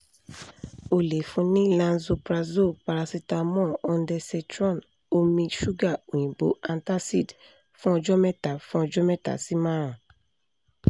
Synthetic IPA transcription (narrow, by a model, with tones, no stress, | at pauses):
o˨le˨fũ˨˧nĩ˦lã˧nzo˧pɾa˧zo˦˨pa˨˧ɾa˧si˧ta˧mɔ̃˦˨ɔ˧n˦dɛ˧sɛ˧tɾɔ̃˦˨n | o˧mĩ˧ʃu˦ɡa˦˨o˨j̃ĩ˨bo̰˨˦ã˧nta˦si˦˨d | fũ˦ɔ˧d͡ʒɔ˦mɛ̃˦ta˨fũ˦ɔ˧d͡ʒɔ˦mɛ̃˦ta̰˨si˦mãː˦ɾã˨